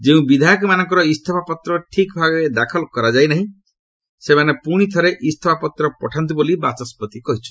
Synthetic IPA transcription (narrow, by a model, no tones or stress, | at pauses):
d͡ʒeũbid̪ʱajɔk̬ɔmanɔ̃ŋkɔɾɔist̪ʰɔpʰapɔt̪ɾɔʈʰikbʱaɡɔed̪akʰɔlkɔɾad͡ʒajnaɦĩ | semanepuɽ̃it̪ʰɔɾeʔist̪ʰɔpʰapɔt̪ɾɔpɔʈʰant̪̬ubolibat͡ʃɔspɔt̪ikɔɦit͡ʃʰu̥